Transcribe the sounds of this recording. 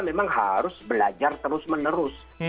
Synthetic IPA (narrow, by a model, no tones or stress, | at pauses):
memaŋha̰ɾʊsbəlad͡ʒart̪əɾʊsmənəɾʊs